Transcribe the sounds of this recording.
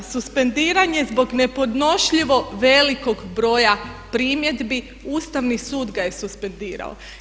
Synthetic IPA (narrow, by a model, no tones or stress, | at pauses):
suspe̞nd̪iːɾaɲe̞zbo̞ɡne̞po̞d̪no̞ʃʎiʋo̞ʋe̞liko̞ɡbɾo̞ːjapɾiːmje̞d̪bi | uːst̪aʋnisuːd̪ɡaje̞suspe̞nd̪iːɾa̰o̰